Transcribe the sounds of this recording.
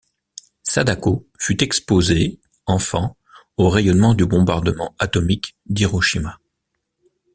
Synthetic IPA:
sad̪akofyt̪ɛkspoze | ɑ̃fɑ̃ | oʁɛjɔnmɑ̃d̪ybɔ̃baʁd̪əmɑ̃at̪ɔmikd̪iʁɔʃima

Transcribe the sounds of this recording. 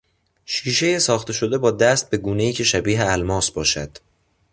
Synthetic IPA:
ʃiːʃe̞jesɒːxt̪ʰe̞ʃo̞d̪ebɒːd̪æst̪̚be̞ɡuːne̞iːcʰe̞ʃæbiːɦeælmɒːsbɒːʃæd̪̥

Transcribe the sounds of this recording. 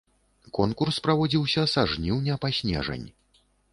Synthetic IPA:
kɔnkurspɾavɔd͡zʲiwsʲɐsaʐnʲiwnʲɛpasʲnʲɛ̰ʐɐ̰nʲ

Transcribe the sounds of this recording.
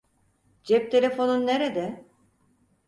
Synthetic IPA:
d͡ʒɛp̚t̪ʰe̞lʲe̞fo̞nunːeɾed̪ɛ

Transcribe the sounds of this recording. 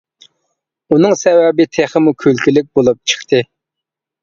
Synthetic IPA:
unɨŋsɛwɛbɪt̪ʰeχəmukʲʰølkʲilɪk̚ʲbolˠup̚t͡ʃʰə̥χt̪ʰɨ

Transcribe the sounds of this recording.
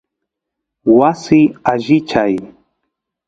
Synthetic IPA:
wasɪaʒɪt͡ʃaj

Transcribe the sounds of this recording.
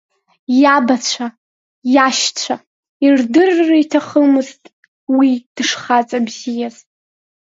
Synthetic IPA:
jabat͡ɕʷʰa | jaʃt͡ɕʷʰa | irdɨrːaitʰaχəmɨztʼ | wid̥ɨʂχat͡sʼabzijaz

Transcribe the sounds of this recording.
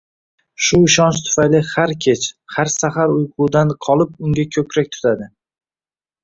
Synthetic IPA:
ʃʊɪʃɒnʃt̪ʰʊ̥fajlɪhaɾkʲʰe̞t͡ʃhaɾsaχaɾʊjqʰʊd̪anqʰɒlˠɪp̚ʊŋɡʲakʲʰɵkʲɾak̚ʲt̪ʰʊ̥t̪ʰad̪ɪ

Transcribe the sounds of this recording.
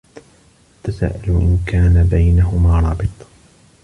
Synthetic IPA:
t̪asa̰ːʔalʔɪ̰nkaːnabajnaɦʊmaːɾˤɑːbɨt̪ˤ

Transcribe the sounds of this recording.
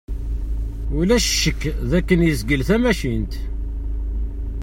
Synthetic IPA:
ulæʃʃːəkːðækːənjəzɡəlθæmæʃint̪

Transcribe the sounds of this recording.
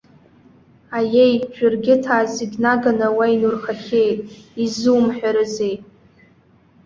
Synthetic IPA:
ajejʒᶣʊrɡʲɪtʰaːzɪɡʲnaɡanawajnurχaχʲejtʼizɨwmħᶣaɾɨze̞jtʼ

